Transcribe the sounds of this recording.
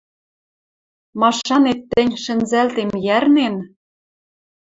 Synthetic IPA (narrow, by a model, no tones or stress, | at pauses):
mɑʃɑnet̪ːɘ̆nʲʃɘ̆nzælt̪emjærnen